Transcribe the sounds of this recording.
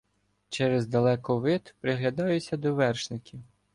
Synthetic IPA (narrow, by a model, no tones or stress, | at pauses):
t͡ʃɛɾezd̪ɐlˠɛkɔʋɪt̪pɾɪɦlʲɐd̪ɑjʊt͡sʲːɐd̪ɔʋɛrʃnɪkʲiw